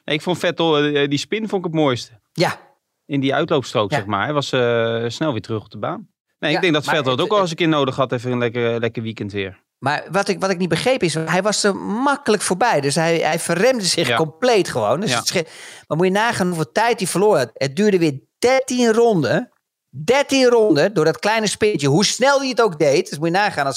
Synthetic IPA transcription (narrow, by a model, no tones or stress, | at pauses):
neɪkfontfɛtəlˠdispɪnfonɪkətmoːjstə | ja | ɪndiœ̰ɥtlowpstroːksɛxma̰ːɹɛʋɑsəsnɛlˠʋɪːtrøχɔp̚dəbaːn | nejɪɡdɛŋɡ̚dɔtfɛttowkɔlˠsəkɪːnowdəχhɑtɛfənlɛkəlɛkəʋikəntʋɪːɹ | maɹʋɔtɪkʋɔtɪk̚nit̚bəχrejpɪsɦɛjʋɑsomakələkfoːɹbɛjdøsɦɛjɦɛjfərrɛmdəsɪxkɔmpleːtχəʋoːndøstmamujənaːχaːnɦufəlˠtɛjt̚difərlʊəət̚dyːɹdəʋɪːd̥ɛtinrɔndə | dɛɹtinrɔndədʊːɹdɔtklɛjnəspɪntjəɦusnɛlˠdiətowk̚dejtsmujənaːχaːnɔs